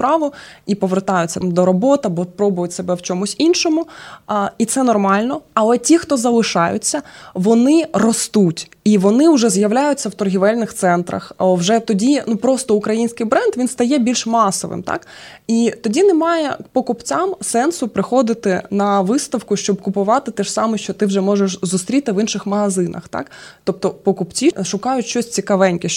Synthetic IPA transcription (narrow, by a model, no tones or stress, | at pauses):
pɾɑʋʊipɔʋert̪ɑjʊtʲt͡sʲːɐmd̪ɔɾɔbɔt̪ɐbɔpɾɔbʊjʊtʲsebɛwt͡ʃɔmʊsʲinʃɔmʊ | it̪sɛnɔrmɑlʲnɔɐlˠɛtʲixt̪ɔzɐlˠɪʃɑjʊ̰t͡sʲːɐʋɔnɪrɔst̪utʲ | iʋɔnɪʊʒɛzjɐwlʲajʊt͡sʲːɐwt̪ɔrɦʲɪʋɛlʲnɪxt̪sɛnt̪ɾɐ̰xwʒɛt̪ɔdʲinupɾɔst̪ɔʊkɾɐjinʲsʲkɪjbɾɛnd̪ʋʲinst̪ɐjɛbʲilʲʃmɑsɔ̰ʋɪ̰mt̪ɑ̰k | it̪ɔdʲinɛmɑjɛpɔkʊpt͡sʲamsɛnsʊpɾɪxɔd̪ɪt̪ɪnɐʋɪst̪ɐwkʊʃt͡ʃɔbkʊpʊʋɑt̪ɪt̪ɛʒsɑmɛʃt͡ʃɔt̪ɪwʒɛmɔʒeʃzʊst̪ɾʲit̪ɪʋinʃɪxmɐɦɐzɪnɐ̰xt̪ɑ̰kt̪ɔp̚t̪ɔpɔkʊpt͡sʲiʃʊkɑjʊtʲʃɔsʲt͡sʲikɐʋɛnʲkɪ